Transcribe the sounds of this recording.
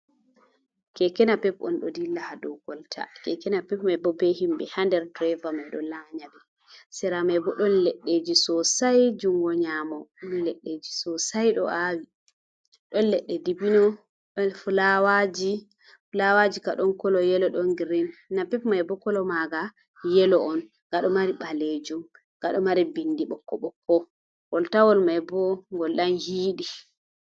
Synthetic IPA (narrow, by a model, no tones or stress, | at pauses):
kɛkɛnapɛpɔnɗɔ̰dilahadɔɡ̥ɔltʰa̰kɛkɛnapɛpmabɔbehimbɛhandɛɾdɾɛvamajɗɔ̰laɲadɛ | sɛɾamajbɔɗɔnlɛɗːed͡ʒisɔsajd͡ʒuŋɡɔɲamɔmilɛɗːed͡ʒisɔsajɗɔ̰ʔawi | ɗɔnlɛɗːɛdibinɔ | fulawad͡ʒi | fulawad͡ʒikaɗɔnkɔlɔjɛlɔɗɔnɡiɾinːapipmajbɔkɔlɔmaɡa | jɛlɔɔn | ŋɡaɗɔmaɾiɓaled͡ʒum | ŋɡaɗɔmaɾibindiɓɔkːɔɓɔkːɔ | wɔltawɔlmajbɔŋɡɔlɗanhiːɗi